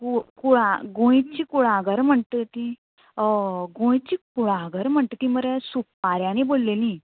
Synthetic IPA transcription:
kukuɽaɡõjt͡ɕikuɽaɡəɾm̤əɳt̪ət̪i | ɡõj̃t͡ɕiːkuɽaɡəɾm̤əɳt̪ət̪ĩməɾesupːaɾjãñibolːelĩ

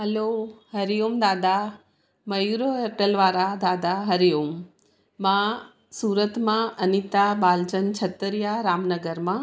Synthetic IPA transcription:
ɦɐlohɐɾijoːmd̪aːd̪a | mɐjuːɾoɐʈəlʋaːɾad̪aːd̪aɦɐɾijoːm | mã | suːɾət̪mãɐnit̪abaːld͡ʑənt͡ɕʰɐt̪əɾijaɾaːmnɐɡəɾmã

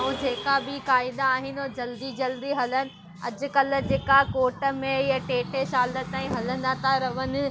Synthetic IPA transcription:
ũd͡ʑeːkabɪkaːɪd̪aːɦɪnɪoːd͡ʑɐld̪id͡ʑɐld̪iɦɐlənɪ̆ | ɐ̰d͡ʑʊ̆kɐl̆d͡ʑeːkakoːʈə̆mẽɪɦəʈeːʈeʃaːlət̪aːĩɦɐlə̃n̆d̪at̪ʰaɾɐʋənɪ̆

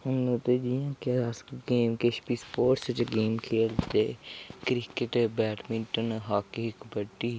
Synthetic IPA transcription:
ʊnõt̪eːd͡ʒijãːkasɡeːmkeʃpiːspoːʈst͡ʃɡeːmkʰeːlt̪eːkɾɪkɪʈbɛːʈmɪ̃ɳʈənɦaːkeɪkbəɖiː

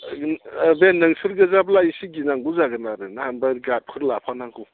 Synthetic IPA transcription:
benɐŋsuɾɡɐzablaisiɡinaŋɡuzaɡɯnaɾɯnahanbaɡat̚pʰɯɾlapʰanaŋɡu

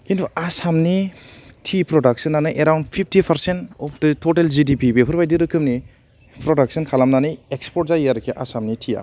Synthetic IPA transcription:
kintʰuasamnitʰipɾɔdak̚sɐnːanɯʔeɾawndpʰip̚ʰtipʰɐɾsentɔpʰdətʰotelzidipibepʰɯɾbajdiɾɯkʰɯmni | pɾɔdak̚sɐnkʰalamnanɯekspɔɾ̚zaiaɾkʰiʔa̰samnitʰija̰

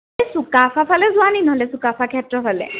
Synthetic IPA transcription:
sukapʰapʰalɛzuaninɔɦɔlɛsukapʰakʰiɛtɹɔpʰalɛ̰

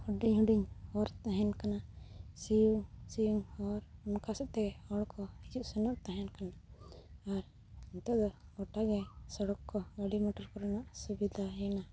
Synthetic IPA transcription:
huɖiɲɦuɖiɲɔɾt̪aɦɛnkanasijuŋsijuŋɔɾunkʰasɛʔt̪ɛɔɽkʰɔid͡ʒuʔsɛnɔʔt̪aɦɛnkanaː | ɾ | iɲt̪ɔʔd̪ɔɔʈaɡɛsɔɽɔkkːɔɡaɽimɔʈɔɾkɔɾanaʔsubid̪ʱaɛna

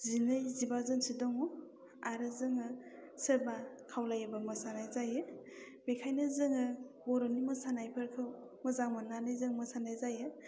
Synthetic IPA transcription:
zinɯjzibazɯŋsidɔŋɔ | aɾɯzɯŋɯsɯbakʰawlajabamɯsanajzajɯ | bekʰajnɯzɯŋɯbɔɾɔnimɯsanajpʰɯɾkʰɯw | mɯzaŋmananɯjzɯŋmɯsanajzajɯ

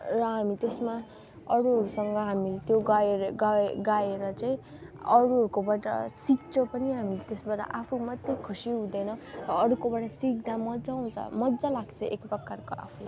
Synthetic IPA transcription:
rʌɦamit̪esma | ʌɽuɦʌɾusʌŋɡʌɦamilet̪joɡaeɾɡaɡaeɾʌt͡saĩ | ʌɽuɦʌɾukobaʈʌ̰sik̚t͡sʰopʌniɦamilet̪esbaʈʌ̰ʔapʰumʌt̪jekʰusiɦũd̪ʌjnʌrʌːɾukobaʈʌsik̚d̪amʌd͡zaɦũt͡sʰʌ̰mʌd͡zalaɡt͡sʰʌʔekprʌkarkoa̰pʰu

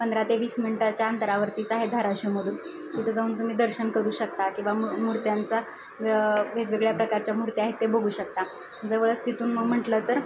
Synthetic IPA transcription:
pənd̪ɾat̪eʋiːsminiʈat͡ɕjaənt̪əɾaʋəɾt̪iːt͡saɦed̪ʱaɾaɕuməd̪ʱuːn | kit̪ʰəd͡zauːnt̪um̤iːd̪əɾɕənkəɾuːɕək̚t̪akĩw̃ʋamuɾt̪jant͡sa | ʋeʋeɡɭjapɾəkaɾt͡ɕjamuɾt̪jaɦet̪ːebəɡuːɕək̚t̪a | d͡zəʋəɭət͡st̪it̪uːnməɡm̤əʈləːt̪əɾ

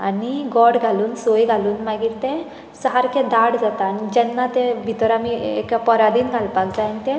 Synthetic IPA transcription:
a̰niɡɔɽɡʱaluːnsojɡʱaluːnmaɡiːɾt̪e | səɦaɾkʰẽd̪aɽd͡zat̪aːnid͡ʑɛnːat̪ẽbʱit̪ɾamiḛkapɔɾad̪iːnɡʱalpakd͡zant̪ẽ

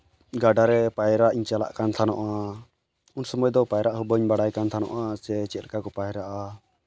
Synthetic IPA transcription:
ɡaɖaɾɛpajɾaʔiɲt͡ʃala̰ʔkant̪ʰanɔ̰ʔa | unsɔmɔjd̪ɔpajɾaʔɦubəɲbaɽajkant̪ʰanɔ̰ʔasɛt͡ʃɛlkakɔpajɛɾaʔa

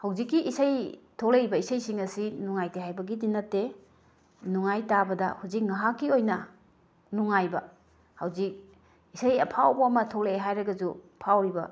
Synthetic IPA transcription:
hawzikːiʔːsajtʰolebɐisɐjsiŋɐsinuŋajteɦajbɐɡidinːɐtːe | nuŋajtabɐdɐ̰huzik̚ŋaɦakːiojnɐ | nuŋajbɐ | hawzik̚ | isajɐpʰawbɐɐmɐtʰoleɦajɾɐɡɐd͡ʒupʰawɾibɐ̰

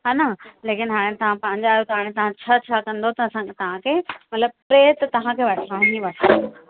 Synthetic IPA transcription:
ɦaːnaleːkɪnɦaːɽ̃ẽt̪ɐʋ̤ãpɐ̃ɦɪ̃ɲd͡ʑaːɦjot̪ɐɦaːɽ̃ẽt̪ɐʋ̤ãt͡ɕʰaːt͡ɕʰaːkɐ̃nd̪ot̪ɐsãt̪ɐʋ̤ãkʰeːmɐt̪ləb̚pɾeːt̪ɐt̪ɐʋ̤ãkʰeːʋɐʈʰaːɦɪ̃ɲd͡ʑiʋɐʈʰə̃o

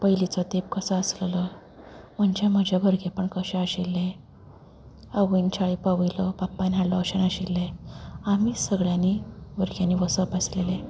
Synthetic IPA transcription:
pəjlit͡sɔt̪ep̚kəsəəsllɔ | m̤əɳd͡ʑem̤əd͡ʑʱaʋəɾɡepəɳkəɕẽəɕilːẽ | əʋint͡ɕʰaɭipəʋəjlɔpapːanaɽlɔəɕənaɕilːeamiːsəɡɭjaniʋəɾɡjanːiːʋəsəpəslele

